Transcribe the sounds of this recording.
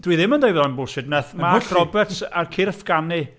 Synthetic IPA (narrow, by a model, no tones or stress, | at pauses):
d̥wiðɪməndajvðɔnbʊlˠʃɪd̚nɛθmaɬrɔbɛtarkʰirəfɡ̥ani